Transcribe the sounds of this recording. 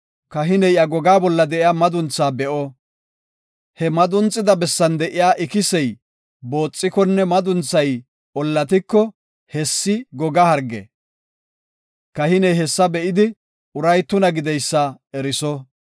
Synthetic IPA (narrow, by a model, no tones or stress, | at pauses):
kɐɦɪnɛjʔɐɡɔɡaːbɔlːɐd̪ɛʔɪjaːmɐd̪ʊnt͡sːaːbɛʔɔ | hɛmɐd̪ʊnt͡sʼːɪd̪ɐbɛsːɐnd̪ɛʔɪjaːʔɪkɪsɛj | bo̞ːt͡sʼːɪkɔnːɛmɐd̪ʊnt͡sːɐj | ɔlːɐt̪ɪkːɔ | hɛsːɪɡɔɡɐhɐɾɡɛ̰ | kɐhɪnɛjɦɛsːɐbɛʔɪd̪ɪ | ʊɾɐjt̪ːʊnɐɡɪd̪ɛjsːɐ | ɛɾɪsɔ